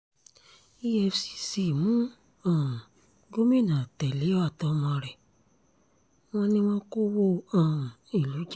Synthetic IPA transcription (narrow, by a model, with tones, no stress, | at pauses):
i˦ɛ˧fsi̥˧si˨mũ˦ | ã˨ | ɡo˦mĩ˦˨nã˨tɛ˨li˨˦ɔ˦a˦˨tɔ˧mã˧˨ɾɛ˨ | w̃ɔ̃˧nĩ˦wɔ̃˦ko˦wo˦ã˨ | i˨lu˨˦d͡ʒ